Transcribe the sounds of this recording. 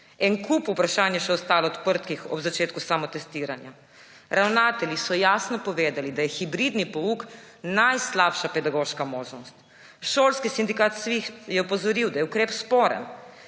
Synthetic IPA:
ɛnkupupɾaʃaːnjɛʃɛɔst̪aːlɔt̪pəɾt̪kixɔ̰bzat͡ʃeːt̪kusaːmɔt̪ɛst̪iːɾanja | ɾawnaːt̪ɛljisɔjaːsnɔpɔʋeːd̪alid̪ajɛxibɾid̪nipɔuk | najslaːpʃapɛd̪aɡoːʃkamoːʒnɔst̪ | ʃoːlskisind̪ikaːt̪sʋixjɛɔpɔzɔɾiwd̪ajɛukɾeːpspɔːɾɛ̰n

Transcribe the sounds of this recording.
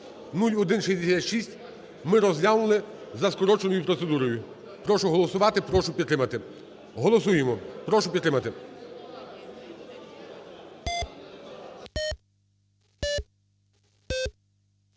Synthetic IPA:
nulʲɔd̪ɪnʃɐjd̪ʲisʲatʲʃisʲtʲ | mɪɾɔzʲlʲanʊlˠɪzɐskɔɾɔt͡ʃenɔjʊpɾɔt̪se̞d̪uɾɔjʊ | pɾɔʃʊɦɔlˠɔsʊʋɑt̪ɪpɾɔʃʊpʲid̪t̪ɾɪmɐt̪ɪ | ɦɔlˠɔs̬ujemɔpɾɔʃʊpʲid̪t̪ɾɪmɐt̪ɪ

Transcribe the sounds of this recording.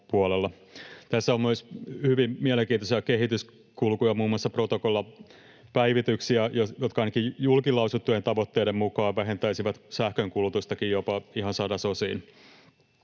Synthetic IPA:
puolelːɑ | t̪æsːæommøishyʋimmiæleŋkiːnt̪osiɑkeɦit̪ys | kulkujɑmuːmːoɑsːɑprot̪okolːɑ | pæiʋit̪yksiæjojot̪kɑɑijnɑkijjulkilˑɑusut̪ːujent̪ɑʋot̪ːeːdemmukɑːʋʋæɦe̞nt̪æisiʋæt̪sæhkøŋkulut̪ust̪ɑkijjopɑihɑnsɑdɑsosḭːn

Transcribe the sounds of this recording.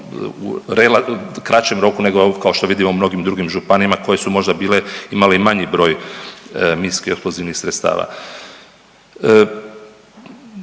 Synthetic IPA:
ṵɾelakɾat͡ʃemɾo̞kune̞ɡokao̞ʃt̪o̞ʋid̪imoumno̞ɡimd̪ɾuɡimʒupanimako̞je̞sumo̞ʒd̪abiːle̞imaleimaɲibɾo̞ːj | miskieksploziʋnixsɾet̪st̪a̰ːʋa̰

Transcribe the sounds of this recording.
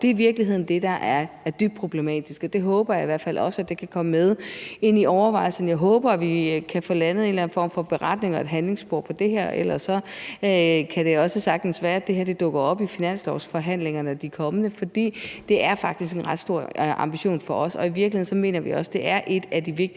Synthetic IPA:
d̥e̝iʋiɐɡ̥liɦeð̰ˠn̩d̥e̝d̥ɑ̈ʔæɐd̥yb̥̚pʰʁob̥lemɛ̰ːd̥isɡ̥ɒ̽d̥e̝ɦɔ̽ːb̥ɐjɑ̈iʋæɐfælʔɒ̽səæd̥e̝kʰækʰɒ̽məmeð̞ˠe̝n̰iɒʊɐʋɑ̈ɪlsn̩jɑ̈ɪɦɔːb̥ɐæʋikʰæfolænð̩ˠe̝ːnlæn̩fɒ̰ːmfɒ̽b̥e̝ʁɑ̈d̥ne̝ŋɒ̽e̝d̥ɦænle̝ŋsb̥oɐ̰pʰɒ̽d̥e̝ɦeɐ̰el̰ɐsːɒ̽ | kʰæɾ̥e̝ɒ̽səsɑ̈ɡ̥d̥n̩sʋæːɐæd̥e̝ɦeɐ̰d̥e̝d̥ɔ̽ɡ̥ɐɒ̽b̥ifinæn̰slɒʊsfɒ̽ɦæn̰leŋɐnəæd̥ikʰɒ̽mənəfɒ̽d̥ḭːd̥e̝ʔæɐfɑ̈ɡ̥d̥isɡ̥e̝nʁɑ̈d̥sd̥o̝ɐ̰ʔɑ̈mb̥iɕo̝̰ːnfɒ̽ɒ̽sɒ̽iʋiɐɡ̥liheð̰ˠnsɒ̽me̝̰ːnɐʋḭɒ̽səd̥e̝ʔæɐʔe̝d̥æd̥iʋeɡ̥̚

